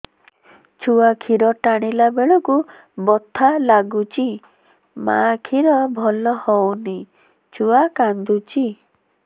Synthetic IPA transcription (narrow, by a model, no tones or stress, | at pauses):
t͡ʃʰuakʰiɾɔʈaɽ̃ilabeɭɔku | bɔt̪ʰalaɡut͡ʃʰi | ma̰kʰiɾɔbʱɔlɔhɔwni | t͡ʃʰuakand̪ut͡ʃi